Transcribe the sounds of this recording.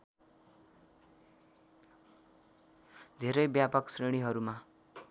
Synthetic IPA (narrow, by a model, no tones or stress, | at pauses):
d̪ʱeɾʌjbjapʌksreɽ̃iɦʌɾuma